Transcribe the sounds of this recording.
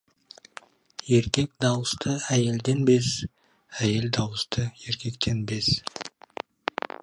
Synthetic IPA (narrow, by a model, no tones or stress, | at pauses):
je̞ɾkʲe̞kd̪ɑwəst̪ʰəæje̞ld̪e̞nbe̞s | æje̞ld̪ɑwəst̪əje̞ɾkʲe̞kt̪ʰe̞nbe̞s